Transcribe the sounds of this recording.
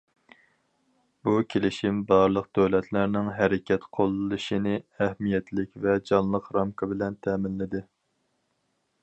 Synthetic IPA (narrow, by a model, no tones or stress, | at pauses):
bukʲʰelɪʃimbɑɾlˠəq̚d̪̥øwlɛt̪ʰlæɾnɪŋɦæɾɪkʲɛt̪qʰolˠɨlˠɨʃinɪæhmijɛt̪lɪkʲvɛd͡ʒɑnlˠəqɾɑmkʰɨbɪlɛnt̪ʰɛːmɪnlɪd̪ɪ